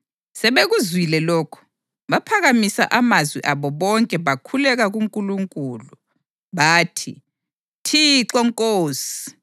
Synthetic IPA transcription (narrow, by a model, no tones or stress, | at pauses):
sɛβeɣuzwilɛlɔːkʰɔ̥ | βapʰaɣamisa̰ʔamazwiʔaβɔβɔŋkʼɛβakʰulɛɣaɣuŋkʼuluŋkʼuːlu | βaːtʰḭ | tʰiǁɔŋkʼoːsi̥